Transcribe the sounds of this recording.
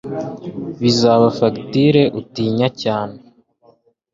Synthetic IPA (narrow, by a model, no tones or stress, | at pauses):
βizaβafaktiɾe̞ʔutiːɲacaːne